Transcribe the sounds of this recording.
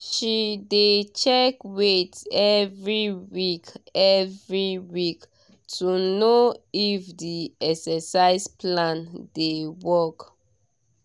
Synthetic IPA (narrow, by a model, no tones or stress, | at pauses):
ʃidet͡ʃɛkwetɛvɹiwikɛvɹiwik | tʰunoifdiɛksɛsaɪsplãndewɔk